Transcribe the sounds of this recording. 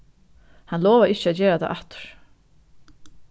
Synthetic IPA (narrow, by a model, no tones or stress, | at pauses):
hanlɔːvaɪt͡ɕːat̪t͡ɕɛːɾat̪ʰa̰ʔaht̪ʊ̥ɾ̥